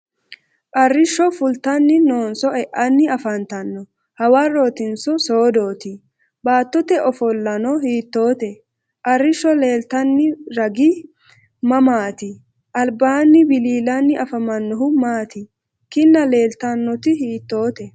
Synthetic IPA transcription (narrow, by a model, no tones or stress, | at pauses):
kʼɐrːɪʃːɔfʊlt̪ɐnːɪno̞ːnsɔɛʔɐnːɪɐfɐnt̪ɐnːɔ | hɐwaːɾo̞ːt̪ɪnsɔso̞ːd̪oːt̪ɪ | baːt̪ːɔt̪ɛʔɔfɔlːɐnɔhiːt̪ːo̞ːt̪ɛ | kʼɐrːɪʃːɔle̞ːlt̪ɐnːɪɾɐɡɪ | mɐmaːt̪ɪ | ʔɐlbaːnːɪbɪliːlɐnːɪɐfɐmɐnːɔɦʊmaːt̪ɪ | kɪnːɐle̞ːlt̪ɐnːɔt̪ɪhiːt̪ːo̞ːt̪ɛ